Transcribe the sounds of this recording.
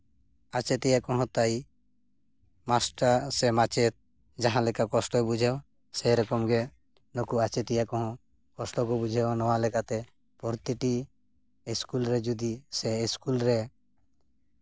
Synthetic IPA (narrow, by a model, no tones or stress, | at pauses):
at͡ʃɛt̪ijakɔɦɔ̃t̪aj | masʈaɾsɛmat͡ʃɛt̪̚ | d͡ʒaɦãlɛkakɔsʈɔɛbud͡ʒʱɛw | sɛɾɔkɔmɡɛ | nɔkuat͡ʃɛt̪ijakɔɦɔ̃ | kɔsʈɔkɔbud͡ʒʱɛnɔwalɛkat̪ɛ | pɔɾt̪iʈi | iskulɾɛd͡ʒud̪isɛiskulɾɛ